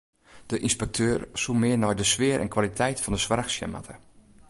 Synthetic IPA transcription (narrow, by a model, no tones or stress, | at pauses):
d̥əʔinspɛk̚tʰøːrsumɪənɔjdəsʋɪəɾʔɛ̰nkʰwalitʰɛjtfɔndəsʋarxsjɛ̰ma̰tʰə